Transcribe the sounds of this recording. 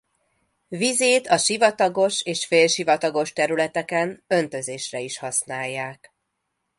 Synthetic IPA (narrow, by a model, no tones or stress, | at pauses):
vizeːt̪ɒʃivɒt̪ɒɡo̞ʃeːʃfeːlʃivɒt̪ɒɡo̞ʃt̪ɛɾylɛt̪ɛkɛnø̞nt̪ø̞zeːʃrɛiʃhɒsnaːjːaːk